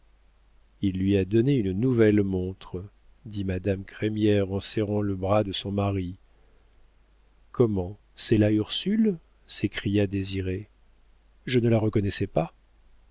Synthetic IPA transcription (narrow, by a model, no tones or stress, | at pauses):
ilːɥiad̪ɔneynnuvɛlmɔ̃t̪χə | d̪imad̪amkχɛmjɛʁɑ̃sɛʁɑ̃ləbʁad̪əsɔ̃maʁi | kʰɔmɑ̃ | sɛlayʁsyl | sekχijad̪eziʁe | ʒənəlaʁəkɔnɛsɛpa